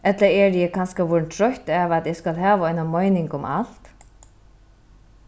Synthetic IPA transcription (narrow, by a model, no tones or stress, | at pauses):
ɛt̪laɛɹjɛkʰanskaʋɔɹnt̪ʰɾɔht̪ɛːʋat̪jɛskalɦæːʋaɔjnamɔjnɪŋkʊmʔa̰l̥t̪